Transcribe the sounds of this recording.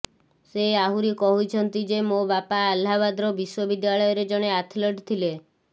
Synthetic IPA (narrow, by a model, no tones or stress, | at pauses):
seaɦuɾikɔɦut͡ʃʰɔnt̪id͡ʒemobapaːlːaβad̪ɾɔbiswɔbid̪jaɭɔjɔɾed͡ʒɔɽ̃eat̪ʰlɔʈt̪ʰile